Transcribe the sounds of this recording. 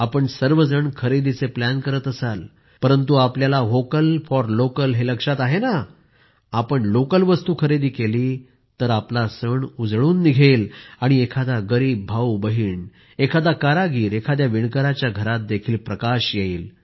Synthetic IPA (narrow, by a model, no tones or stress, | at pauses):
apəɳsəɾʋəd͡zəɳkʰəɾed̪it͡seplænkəɾət̪əsal | pəɾənt̪̬uapljalaɦokəlfɔɾlokəlɦeləkʂat̪aɦena | apəɳlokəlʋəst̪uːkʰəɾed̪iːkeliː | t̪əɾaplasəɳud͡zɭuːnːiɡʱelaɽ̃iekʰad̪aɡəɾiːbːʱaubəɦiːɳ | ekʰad̪akaɾaɡiːɾekʰad̪jaʋiɳkəɾat͡ɕjaɡʱəɾat̪̚d̪ekʰiːlpɾəkaɕjeiːl